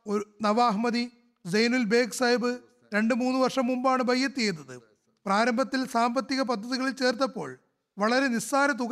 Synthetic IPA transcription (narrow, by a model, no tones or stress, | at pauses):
ounɐʋaːɦmɐði | d͡ʑejnulbe̞ːksɐjbɨ | ɾe̞ɳɖɨmuːnːuʋɐrʂɐmːumbaːɳɨbʱɐjːɐt̪ːiejnːɐðɨ | praːɾɐmbʱɐt̪ːilsaːmbɐt̪ːiɣɐp̬ɐd̪ʱːɐðiɣɐɭilt͡ɕe̞ːrt̪̬ːɐpːo̞̰ːɭ | ʋɐɭɐɾe̞nisaːnɐt̪̬uɣ